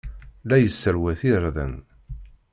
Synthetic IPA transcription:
læjəsːəɾwæθiɾˤðə̰n

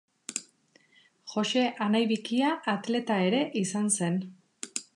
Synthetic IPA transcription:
xo̞se̞ʔanajβikiaʔːt̪le̞t̪ae̞ɾe̞ʔisanse̞n

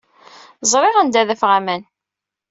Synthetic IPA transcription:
zˤɾˤɪʁænd̪æðəfʁæmæn

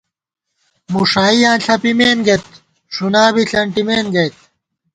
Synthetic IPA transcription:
muʂaːiaːnɬɐpimeːnɡet̪ | ʂunaːbiɬɐɳʈimeːnɡɐjt̪̚

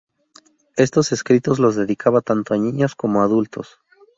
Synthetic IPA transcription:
e̞st̪o̞se̞skɾit̪o̞zlo̞zðe̞ðikʰaβat̪ant̪oaɲĩɲosko̞moaðult̪o̞̰s

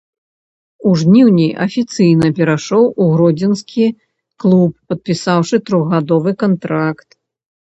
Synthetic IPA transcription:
uʐnʲiwnʲijʔɐ̰fʲit̪sɨjnɐpʲɛɾaʂɔwuɣɾɔd͡zʲɛnskʲi | klˠupːɐt̪̚pʲisawʂɨt̪ɾɔɣɣad̪ɔvɨkant̪ɾakt̪

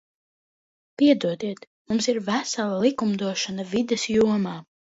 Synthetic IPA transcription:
piɛd̪uɔd̪iɛt̪ | mumsiɾvæsalˠalˠikumd̪uɔʃanavid̪ɛsjuɔmaː

